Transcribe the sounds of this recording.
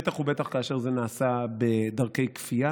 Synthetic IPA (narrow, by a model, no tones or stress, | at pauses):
t̪aχubet̪aχkaːʃe̞ʁzenaːsabed̪ɐʁke̞jkfia